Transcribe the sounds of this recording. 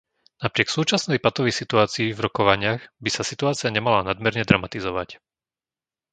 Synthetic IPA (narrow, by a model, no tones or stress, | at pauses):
napɾɪɛksuːt͡ʃasnɛjpat̪ɔʋisit̪uaːt͡siːvɾɔkɔʋaɲɪaɣbisasit̪uaːt͡siaɲɛmalanad̪mɛɾɲɛd̪ɾamat̪izɔʋac